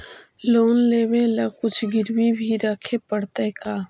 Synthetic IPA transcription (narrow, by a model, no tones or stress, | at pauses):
loːnleːwelakʊt͡ʃʰɡɪɾwibʱiɾɐkʰepəɽt̪ekaː